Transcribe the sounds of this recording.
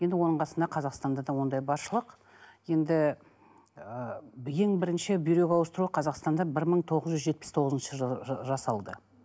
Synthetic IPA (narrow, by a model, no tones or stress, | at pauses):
jend̪ɪwo̞nəɴqʰɑsənd̪ɑqʰɑzɑqst̪ɑnd̪ɑd̪ɑwo̞nd̪ɑjbɑɾʃəlˠəq | je̞nd̪ɪ | je̞ŋbɪɾɪnʃɪbijɾe̞kʲɑwəst̪əɾuəqʰɑzɑqst̪ɑnd̪ɑbɪɾməɴt̪ʰo̞ʁəzʒʏzʒe̞t̪̚pɪ̥st̪ʰo̞ʁəzənʃəʒɑsɑlˠd̪ə